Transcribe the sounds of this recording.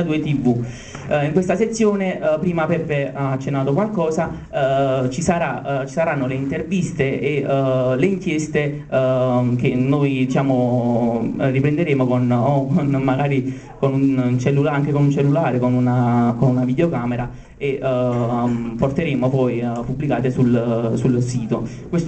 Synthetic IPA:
d̪uːet̪ivu | iŋkwest̪aset̪sːjoːnepɾiːmapɛpːeaːt͡ʃːenːaːt̪okwalkɔːsa | t͡ʃisaɾat͡ʃisaɾanːoleint̪ervist̪eʔeleiŋkjest̪e | k̟enːojd̪it͡ʃaːmo | rːipɾend̪eɾeːmokonnmaɡaːɾi | konunt͡ʃelːulaaŋkekonunt͡ʃelːulaːɾekonunakonunavid̪eokaːmeɾa | eʔ | port̪eɾeːmopɔjpubːlikaːt̪esulsulsiːt̪o | kwest̪

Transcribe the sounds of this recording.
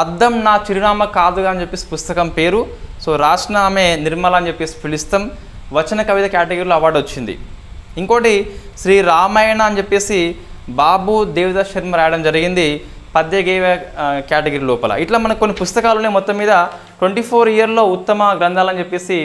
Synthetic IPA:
ɐd̪ːɐmnaːt͡ʃiɾinaːmɐkaːd̪uɡaːɐnt͡ʃepːeːsi̥pust̪ɐkɐmpe̞ːɾuso̞ːɾaːd͡ʒnaːmeːniɾmɐlɐɐnt͡ʃepːe̞ːsi̥pʰilist̪ɐm | ʋɐt͡ʃɐnɐkɐʋid̪ɐkaːʈeɡɐɾiluɐʋaːɖot͡ʃːind̪ḭiŋkoːʈiʃɾiːɾaːmɐjɐɳɐːnt͡ʃepːe̞ːsibaːbud̪eːʋid̪ɐʃɐɾmɐɾaːjɐɽɐmd͡ʒɐɾiɡind̪i | pɐd̪jɐɡeːʋɐkaːʈeɡɐɾilɔːpɐlɐ̰iʈlaːmɐnɐkikonːipust̪ɐkaːlunːeːmɔt̪ːɐmːiːd̪ɐ | ʈweɳʈiːpʰoːɾijɐɾlo̞ːut̪ːɐmɐɡɾɐnd̪ʱaːlɐnt͡ʃepːe̞ːsi

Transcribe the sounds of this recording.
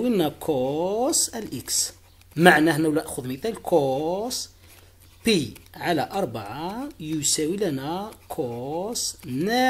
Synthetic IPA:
wilnækʰosælʔiks | maʕnæhnæwlææʔxʊðmət̪ælkʰos | piʕalæʔɑɾˤbaʕajʊsæwilænækʰosnæ

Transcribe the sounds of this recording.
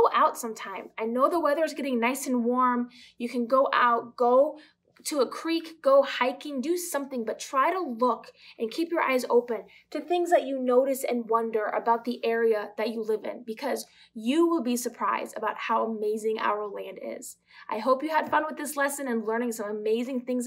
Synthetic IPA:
oʊʔaʊtsʌ̃mtʰãɪ̃maɪnoʊðəwɛðə˞zɡɛɾɪ̃ŋnaɪsɨ̃n̩wɔɹm | jɨkʰɨ̃nɡoʊʔa̰ʊt̚ɡ̥oʊ | ɾəəkʰɹ̥ikɡ̥oʊhaɪkɪ̃ŋdɨsʌ̃mθɪ̃ŋbʌtʰɹ̥aɪɾəlʊkɨ̃nkʰipjə˞ʔa̰ɪzo̰ʊpɨ̃n | tʰɨθɪ̃ŋzðɨt͡ʃɨnoʊɾɨsɨ̰̃nwʌ̃ndə˞ʔɨ̰baʊt̪̚ðiʔɛɹiɨðɨt͡ʃɨlɪvɪ̰̃nbɨkʰʌz | jɨwɪlˠbisə˞pʰɹ̥aɪzdɨbaʊt̚haʊəmeɪzɪ̃ŋʔa̰ʊə˞læ̃ndɪ̰z̥ | ʔa̰ɪɦoʊpjɨəd̥fʌ̃nwəðɪslɛsɨ̃nɨ̃nlɜ̃˞ñɪ̃ŋsʌ̃məmeɪzɪ̃ŋθɪ̃ŋz

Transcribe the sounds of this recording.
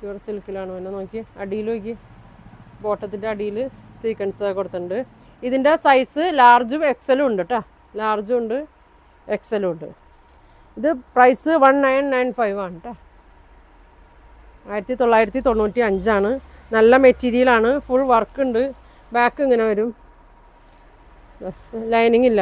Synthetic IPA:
kuːrsilkːilaːɳɨʋɐnːeno̞ːkːiɐɽijiloːk̬ʲːi | bo̞ːʈːɐt̪ːinde̞ɐɽijilɨsiːkːɐɳsɐkoɽut̪ːɐɳɖɨ | iðinde̞sɐjsɨlaːrd͡ʑume̞kseluɳɖɨʈːa | laːrd͡ʑuuɳɖɨ | eksɐluuɳɖɨ̰ | iðɨprɐjsɨʋɐnnɐjnnɐjnfɐjʋaːɳɨʈːa | aːjiɾɐt̪ːit̪o̞ɭːaːjiɾɐt̪ːit̪o̞ɳːnuːtːiɐɲd͡ʑɨaːɳɨnɐlːɐmetːiːɾijɐlaːɳɨfuɭʋɐrkːuɳɖɨ | baːkːiŋːɐne̞ɐɾum | lɐjniŋːilːɐ

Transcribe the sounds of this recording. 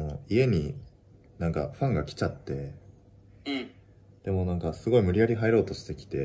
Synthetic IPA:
noie̞ɲ̟i | nãŋka̰ɸãŋɡakʲi̥t͡ɕat̪ːe̞ | d̪̥e̞mo̞nãŋkasɨɡo̞imɯ̟ɾʲijaɾʲiɦaeɾo̞ːt̪o̞ɕi̥t̪e̞kʲi̥t̪e̞

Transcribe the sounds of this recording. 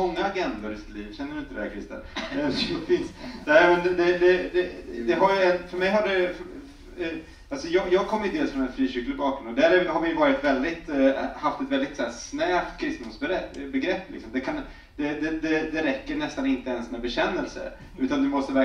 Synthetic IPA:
ɔŋːaːɡɛnd̪ʊɾɪsɪ̥t̪liːvɕɛnːəɾɖɵɪnt̪ədɛæ̰kʰɾɪst̪ə̰nɛfɪnsnɛɪmɛnd̪ɛd̪ɛd̪ɛd̪ɛɦaɾjɛnfœɾmɛjɦaɖɛf | alsɔjɑːɡjɑːɡ̚kʰɔmːəjɵd̪eːlsfɾɔnɛnfɾiːɕʏkːləbɑːkɾɵmnɔd̪æːɾɛjhaɾvɪjɵvɑːɾɪt̪vɛld̪ɪt̪haft̪ɛt̪vɛld̪ɪt̪sæːɾsnæːpt̪kʰɾɪst̪nʊmsbɾɛbɛɡɾɛpːlɪ̰ksɔmd̪ɛkʰan | d̪̥ɛd̪ɛd̪ɛd̪ɛɾɛkːəɳɛst̪anɪnt̪əɛnsmɛbɛɕɛnːɛlsə̰ | ʉ̟ːt̪and̪ɵmɔst̪əvæɾ

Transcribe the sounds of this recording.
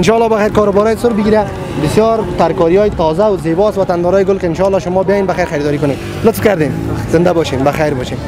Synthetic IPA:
ɪnʃɔlːɔbaxajɾkɔɾʊbɔɾɔjsʊɾbɪɡiɾa | bɪsjɔɾt̪aɾkɔɾijɔjɪt̪ɔzawzebɔst̪wat̪and̪ɔɾɔjɪɡʊlkeɪnʃɔlːɔʃʊmɔbejɔjenbaxajɾxajɾid̪ɔɾikʊned̪ | lʊt̪fkaɾd̪enz̥ɪnd̪abɔʃembaxajɾbɔʃem

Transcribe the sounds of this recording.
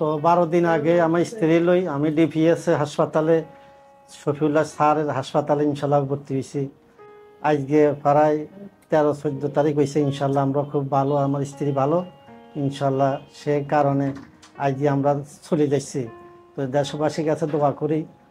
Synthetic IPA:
t̪ɔbaɾod̪inaɡeamaɾist̪ʰiɾilojamiɖipʰiesɦaʃpat̪ale | ʃopʰiulasʰaɾeɾɦaʃpat̪aleinʃalːaoboɾt̪iɦojsi | ad͡ʑɡepʰaɾajt̪ɛɾosod̪ːot̪aɾikojsiinʃaːlːaamɾakʰubːʱaloamaɾist̪ʰiɾibʱaloinʃaːlːaʃekaɾone | ajɡeamɾasʰolid͡ʑajsʰi | t̪ɔd̪ɛʃobaʃiɡat͡ɕʰed̪oakoɾi

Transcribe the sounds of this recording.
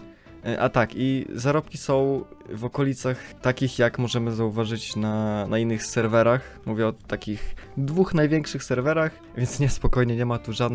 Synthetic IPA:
ʔa̰t̪akḭzaɾɔp̚kʲisɔ̃w̃vɔkɔlʲit̪saxt̪akʲixjakmɔʐɛmɘzauvaʐɘt͡ɕnanainːɘxsɛɾvɛɾax | muvʲjɛɔt̪akʲixd̪vuxnajvʲjɛŋkʂɘxsɛɾvɛɾax | vʲjɛnt̪sɲɛspɔkɔjɲɛɲɛmat̪uʐad̪n

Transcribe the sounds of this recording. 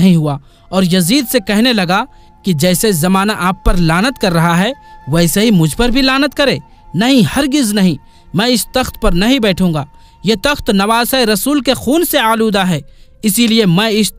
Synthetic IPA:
ɦĩɦua | ɔːɾjɐziːd̪sekɛɦnelɐɡa | kid͡ʒɛːsezɐmaːnaʔaːpːɐɾlaːnət̪kɐɾːɐɦaɦɛʋɛːseɦimʊd͡ʒʱpɐɾbʱilaːnət̪̚kɐɾeː | nɐɦĩhɐɾɡɪznɐɦĩ | mɛ̃ːɪst̪ɐxt̪pɐɾnɐɦĩbɛːʈʰũːŋɡaː | jet̪ɐxt̪nɐʋaːsaeɾɐsuːlkexuːnseaːluːd̪aɦɛː | ɪsiliemɛ̃ːɪs

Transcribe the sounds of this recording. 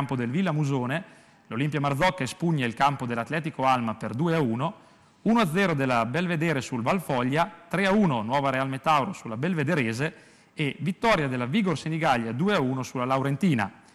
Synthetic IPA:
mpod̪elvilːamuzoːne | lolimpjamard̪zɔkːaespuɲːailkampod̪elːat̪lɛːt̪ikoalmaperd̪uːeauːno | unoad̪zːɛːɾod̪elːabelved̪ɛːɾesulvalfɔʎːat̪ɾɛauːnonwɔːvaɾealmet̪awɾosulabelved̪eɾeːze | evit̪ːɔːɾjad̪elːaviːɡorseniɡaʎːad̪uːeauːnosulalawɾent̪iːna̰

